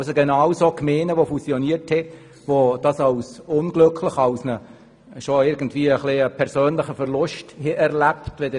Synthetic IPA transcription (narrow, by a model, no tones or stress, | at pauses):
səɡenɑwsokmeːnəʋofusioniəthɛ | ʋod̥ɑsɑʊsʊnɡlɵkʰlɪχɑwsnə | ʃoɪɾɡən̩tvʋiːəχlɪəpʰɛɾsøːnlɪχəfɛɾlʊʃthɛʔɛɾlæptʋedə